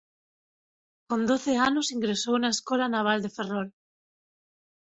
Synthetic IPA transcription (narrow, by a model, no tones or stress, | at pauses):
kond̪oθeanosiŋɡɾesownaeskɔlanaβ̞ald̪eferɔl